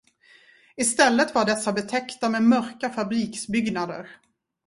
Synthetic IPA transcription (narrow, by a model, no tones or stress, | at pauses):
ɪst̪ɛlːət̪vaɖɛsːabɛt̪ʰɛkt̪amemœɾkafabɾiːksbʏɡnad̪ə̰ɾ